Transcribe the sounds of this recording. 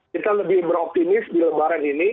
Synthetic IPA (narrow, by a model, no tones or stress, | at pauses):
it̪aləbɪhbəɾɔp̚t̪inɪsdiləmbaɾanini